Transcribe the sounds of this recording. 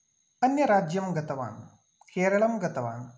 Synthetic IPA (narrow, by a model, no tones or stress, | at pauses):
ɐnjɐɾaːd͡ʒjɐmɡɐt̪ɐʋa̰ːn | keːɾɐɭɐmɡɐt̪ɐʋa̰ːn